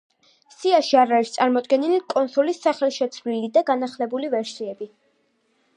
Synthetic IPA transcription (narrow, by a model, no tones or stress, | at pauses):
siaʃiaɾaɾist̪sʼaɾmɔd̪ɡɛnilikʼɔnsulisːaχɛlˠʃɛt̪sʰvlilid̪aɡanaχlɛbulivɛɾsiɛbi